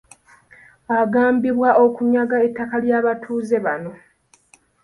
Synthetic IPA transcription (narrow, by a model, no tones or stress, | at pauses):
aɡaːmbiβwaʔo̞kuɲaɡae̞tːakaljaːβatʰuːze̞βano̞